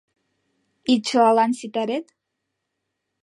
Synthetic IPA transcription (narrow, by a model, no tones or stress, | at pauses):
it͡ʃʷʰualansitʼaɾetʼ